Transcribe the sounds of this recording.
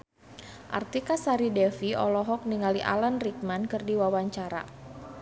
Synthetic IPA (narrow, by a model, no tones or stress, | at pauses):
ʔa̰rt̪ikasaɾidɛfiɔ̰lɔɦɔk̚niŋaliʔa̰lanrik̚mankɨrdiwawaɲt͡ʃaɾa̰